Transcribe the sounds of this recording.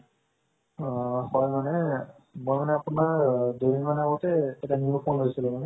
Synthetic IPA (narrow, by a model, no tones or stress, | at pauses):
hɔjmanɛ | mojmanɛapʊnaɹdoɾinmanɛaɡɔtɛːtaniupʰonɦojsilɛ̃manɛ